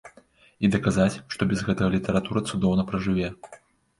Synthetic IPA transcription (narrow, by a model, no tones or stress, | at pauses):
id̪ɐkazat͡sʲʂt̪ɔbʲɐzɣɛt̪ɐɣɐlʲit̪ɐɾat̪uɾɐt̪sud̪ɔwnɐpɾɐʐɨvʲɛ